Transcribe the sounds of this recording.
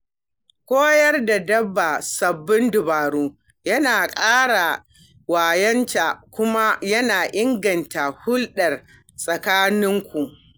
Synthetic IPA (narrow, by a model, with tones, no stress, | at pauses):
kʷoː˦jɐ˦rda˨dɐ˦bːa˨sɐ˨bːɪ˦ndʊ˨baː˨ɽuː˦ | jɐ˦naː˨kʼaː˦ɽa˨ | waː˨jɐ˦nta˨kʷʊ˦ma˦jɐ˦naː˨ʔɪ˦ŋɡɐ˨nta˨hʊ˦lɗɐ˨r | sʼɐ˨kaː˦nɪ˦ŋkʷu˨ʔ